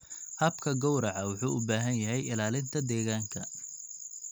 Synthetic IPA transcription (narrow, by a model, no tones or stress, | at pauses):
hɐbkʰɐɡɔwɾɑʕɑwʊħuːʔʊbaːɦɐnjɐɦɛjɪlaːlɪnt̪ʰɐd̪ɛːɣaːŋkʰɐ